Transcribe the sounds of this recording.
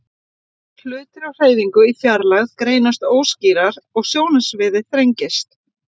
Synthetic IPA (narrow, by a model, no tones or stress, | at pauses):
l̥ʏːt̪ɪɾawr̥eːjðiŋkʏifjaɾlaɣðkɾeːjnast̪oːwsciːɾaɾɔɣsjoːwnasvɪːðɪθɾejɲcɪst̪